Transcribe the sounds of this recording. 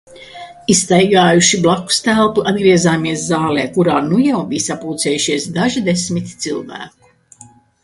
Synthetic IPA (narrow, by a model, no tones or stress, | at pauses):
ist̪ajɡaːjuʃiblˠakːu̥st̪ælˠt̪uʔad̪ɡɾiɛzaːmiɛszaːlɛːkuɾaːnujawbijsapuːt̪sɛːjuʃiɛsd̪aʒid̪esmit̪ʲt̪silˠvæ̰ːk̚u̥